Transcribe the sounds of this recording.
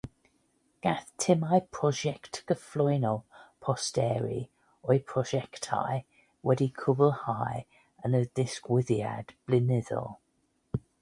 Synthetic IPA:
ɡ̥aθtʰɪmajpʰɹ̥ɔʒɛktɡ̥əflɔɪnɔpʰɔstɛːɹḭ | ɔɪpʰɹ̥ɔʒɛktʰa̰ɪ | wɛdikʰʊbəlˠhaɪ | ə̃nədɪskwɪðia̰d̥b̥lɪnɪðɔ̰

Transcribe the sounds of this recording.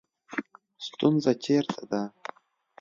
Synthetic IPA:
stʼunzatʲʰertʰʼad̪a

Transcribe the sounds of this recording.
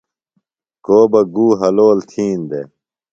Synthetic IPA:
koːbɐɡuːɦɐloːlt̪ʰiːnd̪ḛ

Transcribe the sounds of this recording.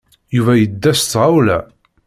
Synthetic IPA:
juvæjəd̪ːæst̪ːʁawlæ̰

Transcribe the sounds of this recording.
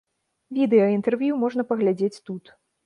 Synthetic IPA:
vʲid̪ɛjɐint̪ɛrvʲjumɔʐnɐpɐɣlʲad͡zʲet͡sʲt̪ut̪

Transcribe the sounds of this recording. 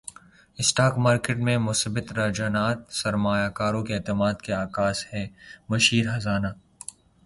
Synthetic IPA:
ɪsʈaːkmaːɾkeʈmẽmʊsbɪt̪ɾad͡ʒaːnaːt̪sɐɾmaːjaːkaːɾõkeeːt̪ɪmaːd̪keaːkaːshɛːmɐʃiːɾɦɐzaːnaː

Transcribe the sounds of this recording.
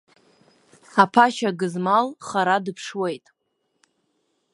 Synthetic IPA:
apʰaʃaɡɨzmalχaɾadɨpʰʂwejtʼ

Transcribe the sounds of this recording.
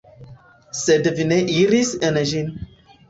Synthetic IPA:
sədəvineʔiɾisənəʒin

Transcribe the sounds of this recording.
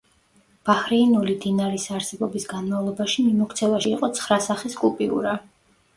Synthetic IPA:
b̥ahɾiːnulid̪inaɾisaɾsɛbɔbisɡanmavlˠɔbaʃimimɔkʰt̪sʰɛvaʃiːqʼɔt̪sʰχɾasaχiskʼupʼiṵɾa

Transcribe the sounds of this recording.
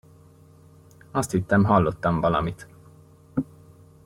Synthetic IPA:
ɒst̪hit̪ːɛmɦɒlːo̞t̪ːɒɱvɒlɒ̰mit̪

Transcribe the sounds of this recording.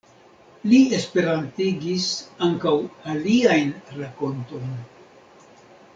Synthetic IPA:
lie̞spe̞ɾantiɡisaŋkawaliajnɾako̞nto̞jn

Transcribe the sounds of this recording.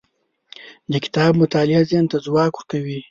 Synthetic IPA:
d̪əkɪ̥t̪ɑːbmʊt̪ɑːlɪazent̪azwɑːkwʊɾkawi

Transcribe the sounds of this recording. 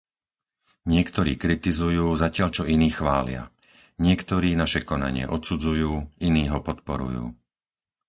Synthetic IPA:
ɲɪɛkt̪ɔɾḭːkɾit̪izujuːzacɪaʎt͡ʃɔiniːxʋaːlɪa̰ | ɲɪɛkt̪ɔɾiːnaʃɛkɔna̰ɲɪɛ̰ʔɔt̪sud͡zujuːiniːɦɔpɔt̪pɔɾṵjṵː

